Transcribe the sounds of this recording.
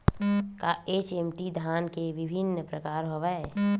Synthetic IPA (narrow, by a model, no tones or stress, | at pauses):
kaet͡ʃemʈid̪ʱankeʋɪbʱinːpɾəkaːɾɦoʋɛ